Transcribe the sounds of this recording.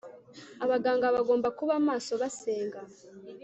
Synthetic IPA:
aβaɡaːŋɡaβaɡo̞ːmbakuβaːmaːso̞βase̞ːŋɡa

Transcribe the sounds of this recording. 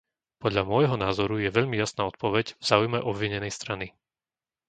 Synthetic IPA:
pɔd̪ʎamʊɔjɦɔnaːzɔɾujɛʋɛʎmijasnaːɔt̪̚pɔʋɛɟvz̥aːujmɛʔɔbʋiɲɛnɛjst̪ɾani

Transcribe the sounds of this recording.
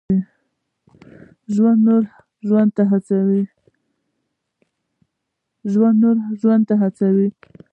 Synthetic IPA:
i | ʒwand̪noɾ | ʒwand̪̚t̪aɦat͡sawi | ʒwand̪noɾʒwand̪̚t̪aɦat͡sawi

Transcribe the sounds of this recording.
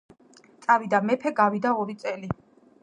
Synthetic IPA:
t̪sʼavid̪amɛpʰɛɡavid̪aɔɾit̪sʼɛli

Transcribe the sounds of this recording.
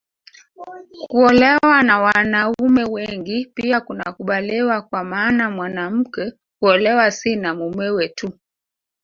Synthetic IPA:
kuɔlɛwanawanaumɛwɛŋɡipiakunakuɓalɛwakwamaːnamwanam̩kɛ | kuɔlɛwasinamumɛwɛtu

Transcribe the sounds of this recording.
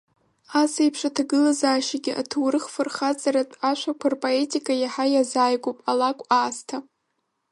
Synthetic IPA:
asejpʰʂatʰaɡɨlazaːʃaɡʲɪʔa̰tʰuwrɨχfɨrχat͡sʼaɾatʼaʃʷakʷʰarpʼoe̞tʼikʼajaħajazaːjɡʷopʼalakʷʼaːstʰa

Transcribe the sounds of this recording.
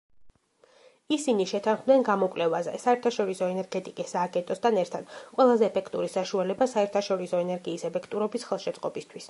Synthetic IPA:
isiniʃɛt̪ʰanχmd̪ɛnɡamɔkʼlɛvazɛ̰saɛɾt̪ʰaʃɔɾisɔɛnɛɾɡɛt̪ʼikʼisːaːɡɛnt̪ʼɔst̪ʰanɛɾt̪ʰad̪̥qʼwɛlˠazɛːpʰɛkʰt̪ʼuɾisaʃualɛbasaɛɾt̪ʰaʃɔɾisɔɛnɛɾɡiːsɛpʰɛkʰt̪ʼuɾɔbisχɛlˠʃɛt̪sʼqʼɔbist̪ʰwis

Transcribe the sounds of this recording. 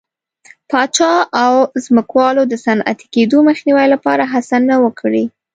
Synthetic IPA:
pɑt͡ʃɑawzməkwɑlod̪əsanʔa̰t̪i̥ked̪oməxniwajlapɑɾaɦasanawəkʰɽi

